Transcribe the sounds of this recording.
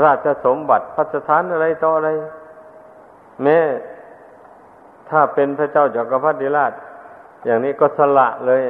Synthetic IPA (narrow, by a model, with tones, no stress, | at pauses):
ɾaː˧˩t̪̚t͡ɕa˧so˨˦mba˨˩t̪̚pʰa˧˩t̪̚sa˧t̪ʰaː˨˥nʔa˧ɾa˧jt̪ɔː˧ʔa˧ɾa˧j | mɛː˦˥˨ | t̪ʰaː˧˩pe˧npʰa˧˨t͡ɕa˧˥˩wt͡ɕɔː˨˩ka˧˩pʰa˧˥˩t̪̚diː˧˥laː˧˩t̪̚ | jaː˨˩ŋniː˦˥˩kɔː˧˩sa˧la̰˧˩ʔlɤː˧˨j